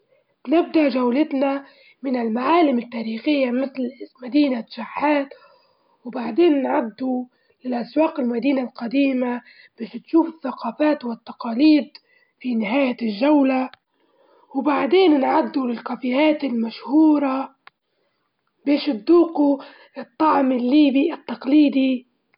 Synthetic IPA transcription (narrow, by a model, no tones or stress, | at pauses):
b̥nɪb̚d̪aʔʒawlɪt̪na | mɪnɪlmaʕaːlɪmɪt̪ːaːɾiːxɪjːamɪθlmad̪iːnaʃaħːaːt̪ | wbaʕd̪eːnnʕad̪ːu | lɪlʔaswaːqɪlmad̪iːnalqɑd̪iːma | b̥eːʃt̪ʃuːfɪθːaqɑːfaːt̪wɪt̪ːɑqɑːliːd̪ | finɪɦaːjaʒːawla | wbaʕd̪eːnnʕad̪ːulɪlkafiːhaːt̪ɪlmaʃhuːɾˤɑ | beːʃɪt̪d̪uːqu | ɪt̪ˤːɑʕmɪlːiːbiʔɪt̪ːɑqliːd̪i